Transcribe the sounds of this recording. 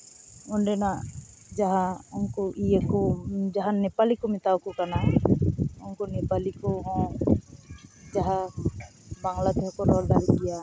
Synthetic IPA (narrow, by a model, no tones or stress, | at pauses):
ɔnɖɛnaʔ | d͡ʒaɦaɔnkɔiəkɔd͡ʒaɦanɛpalikɔmit̪awkɔkana | ɔnkɔnɛpalikɔɦɔ̃ | d͡ʒaɦa | baŋlat̪ɛɦɔkɔɾɔɾd̪aɾiɡɛja